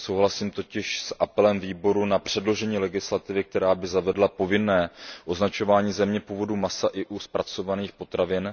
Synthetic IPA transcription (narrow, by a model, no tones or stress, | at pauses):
so̞wɦlasiːmt̪o̞cɪʃsʔapɛlɛmviːbo̞ɾunapr̝̥ɛdlo̞ʒɛɲiːlɛɡɪslat̪ɪvɪk̚t̪ɛɾaːbɪzavɛdlapo̞vɪnɛːʔo̞znat͡ʃo̞vaːɲiːzɛmɲɛpuːvo̞dumasaʔɪʔuspɾat͡so̞vaniːxpo̞t̪ɾavɪn